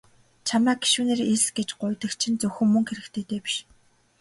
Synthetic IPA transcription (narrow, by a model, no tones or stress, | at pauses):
t͡ɕʰamæːɡi̥ʃuːneːɾesɡet͡ɕɢʊjt̪ə̆xt͡ɕʰĭnt͡sɵxɵ̆ŋmɵŋxeɾɘ̆kt̪ʰeːt̪eːpi̥ʃ